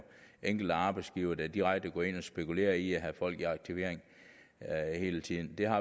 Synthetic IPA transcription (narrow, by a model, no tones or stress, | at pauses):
ʔeŋ̰ɡ̥l̩d̥əɑ̈ːb̥ɪsɡ̥iʊɐːd̥æd̥iʁaɡ̥̚d̥əɡ̥ɒːe̝n̰ɒ̽sb̥e̝kule̝̰ːɐiæɦæfɒ̽l̰ɡ̥iɑ̈ɡ̥̚t͡sʰiʋe̝ɐ̰eŋ | he̝ːlət͡sʰið̰ˠn̩d̥e̝ɦɑ̈